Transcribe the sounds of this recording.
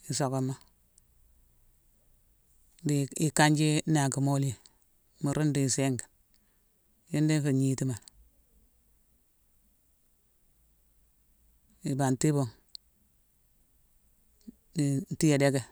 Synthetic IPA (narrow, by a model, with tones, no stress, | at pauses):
i˨so˨ko˨mːa˦ | di˨i˨ka˦ɲd͡ʒi˦na˨ki˨mo˦li˦˨ | mu˨ɾu˦ndi˨se˦ŋɡa˨ | ji˦ndi˦fi˨ɲi˨˦ti˦ma˨ | i˨ba˨nti˦bo˨ŋ | di˨ti˦je˨de˦ɡe˦